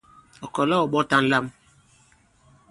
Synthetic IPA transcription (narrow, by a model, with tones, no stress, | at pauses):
ɔ˨kɔ˨lɔ˦ɔ˨ɓɔ˦ta˦n̩˦la˦m